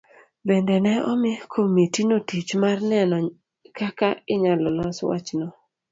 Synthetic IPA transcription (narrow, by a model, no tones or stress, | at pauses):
bendɛnɛɔmɪkʰomitinotit͡ʃmarnɛnɔ | kakaɪɲalɔnɔswa̰t͡ʃnɔ